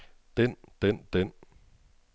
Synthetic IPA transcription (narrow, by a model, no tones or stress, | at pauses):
t̪ent̪ent̪en